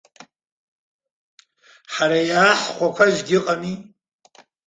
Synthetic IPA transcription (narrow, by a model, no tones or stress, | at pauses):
ħaɾajaːħχʷakʷʰaʒɡʲɪqʼani